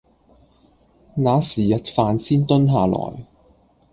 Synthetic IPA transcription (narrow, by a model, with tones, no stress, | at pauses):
ŋaː˨˥siː˨˩jɐ˨t̚faː˧nsiː˥nt̪ɵ˥nɦaː˨˧lɔ̰ː˨˩j